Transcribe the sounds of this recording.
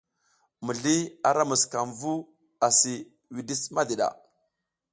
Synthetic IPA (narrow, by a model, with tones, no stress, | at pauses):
mə˨ɮi˦a˨ɾa˦mə˨ska˨mvu˦ | a˨si˨ | wi˨di˦sma˦di˨ɗa̰˨